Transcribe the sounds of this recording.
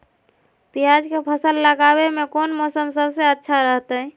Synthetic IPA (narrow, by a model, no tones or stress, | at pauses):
pijad͡ʒkepʰəsəlːəɡabemekonmɔsəmsəbseətːʃʰaɾəɦt̪ə